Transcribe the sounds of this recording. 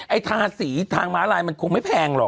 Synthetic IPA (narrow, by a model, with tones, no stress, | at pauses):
ʔa˧jt̪ʰaː˧siː˩˦t̪ʰaː˧ŋmaː˦˥laː˧jma˧nkʰu˧ŋma˥˩jpʰɛː˧ŋlɔ̰˨˩k